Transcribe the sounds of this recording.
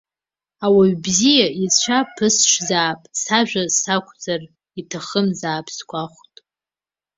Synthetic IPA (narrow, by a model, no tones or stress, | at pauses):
awaɥbzijait͡ɕʷʰapʰɨsʃʷzaːpʼsaʒᶣasakʷʰʼd͡zar | itʰaχəmzaːpʰskʷaχʷtʼ